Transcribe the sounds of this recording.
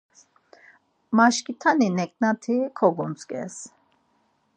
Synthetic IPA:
maʃkʼit̪ʰaninɛkʼnat̪ʰikʰɔɡunt͡sʼkʼɛ̰s

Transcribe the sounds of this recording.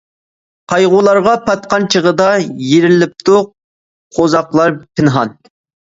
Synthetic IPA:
qʰɑjʁʊlˠɑɾʁɑpʰɑt̪qɑnt͡ʃʰəʁəd̪ɑjeɾɪlɪp̚t̪ʰʊq̚ | qʰozɑqlˠɑɾpʰɪnɦɑn

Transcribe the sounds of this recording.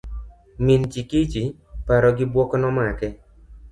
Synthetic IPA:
mint͡ʃikit͡ʃi | paɾɔɡɪbwɔkɔnɔmakɛ

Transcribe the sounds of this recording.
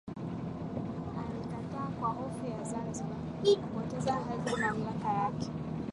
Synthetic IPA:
alikataːkwahɔfujazanziɓa | ikupɔtɛzakaliumamiakajakɛ̥

